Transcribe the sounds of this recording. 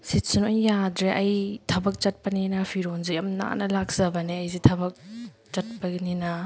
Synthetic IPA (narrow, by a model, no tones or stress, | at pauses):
sit̚sunojːadɾeʔɐjtʰɐbɐk̚t͡ʃɐt̚pɐninɐpʰiɾonzijɐmna̰nɐlak̚z̥ɐbɐneɐjzitʰɐbɐk̚ | t͡ʃɐt̚pɐɡninɐ